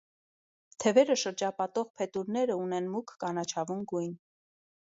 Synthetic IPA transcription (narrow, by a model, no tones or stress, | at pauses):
t̪ʰɛvɛɾəʃəɾd͡ʒɑpɑt̪ɔʁpʰɛt̪uɾnɛɾəunɛnmukʰːɑnɑt͡ʃʰɑvunɡujn